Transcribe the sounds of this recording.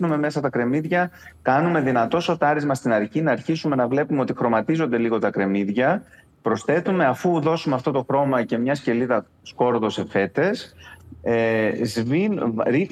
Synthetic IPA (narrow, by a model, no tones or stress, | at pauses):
nume̞me̞sɐt̪ɐkɾe̞miðʝɐ | kɐnume̞ðinɐt̪o̞so̞t̪ɐɾizmɐst̪inɐɾcinɐːɾçisume̞nɐvle̞pumeo̞t̪ixɾo̞mɐt̪izo̞nd̪e̞liɣo̞t̪ɐkɾe̞miðʝɐ | pɾo̞sθe̞t̪ume̞ɐfuðo̞sumeɐft̪o̞t̪o̞xɾo̞mɐce̞mɲɐsce̞liðɐ | sko̞ɾðo̞se̞fe̞t̪e̞s | zvinɾi